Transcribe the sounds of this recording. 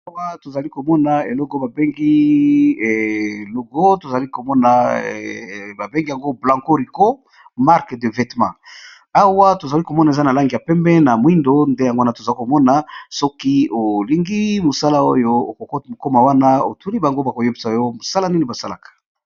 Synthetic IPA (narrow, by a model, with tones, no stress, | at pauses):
a˦wa˦to˨za˨li˦ko˨mɔ˦na˨e˨lɔ˦ko˦ba˨be˦ŋɡi˦˨ | lo˨ɡo˦to˨za˨li˦ko˨mɔ˦na˨ | ba˨be˦ŋɡa˨ŋɡo˦blã˨ŋko˦ʁi˨ko˦ | ma˦ʁkde˨vɛ˨tmã̰˨ | a˦wa˦to˨za˨li˦ko˨mɔ˦na˨e˨za˦na˨la˦ŋɡi˨ja˨pɛ˦mbɛ˦na˨mwi˦ndo˦nde˦ja˨ŋɡo˦a˦na˨to˨za˨li˦ko˨mɔ˦na˨sɔ˦ki˦o˨li˦ŋɡi˦mo˨sa˦la˦o˦jo˦o˨ko˨kɔ˦tmo˨ko˦ma˨wa˦na˦o̰˨tu˦li˦ba˨ŋɡo˦ba˨ko˨je˦bi˨sa˨jo˦mo˨sa˦la˦ni˦ni˨ba˨sa˦la̰˨kḁ˨